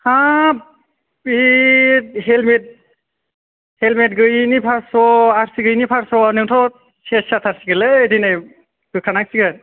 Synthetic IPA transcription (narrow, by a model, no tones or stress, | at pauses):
ha | i | ɦelmet̚ | helmet̚ɡɯjnipʰaɾsɔaɾsiɡɯjnipʰaɾsɔanɯtʰɔ | sʰessat̪ʰaɾsiɡɯlɯdinɯj | kɯkʰanak̚siɡɯt̚